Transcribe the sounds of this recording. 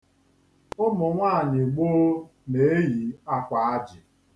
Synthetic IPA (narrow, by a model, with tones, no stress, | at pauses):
ʊ˦mʊ˨ŋʷaː˦˨ɲɪ˨ɡ͡boː˦ | ne˨˦e˦ji˨a˦kʷa˨a˦d͡ʒɪ˨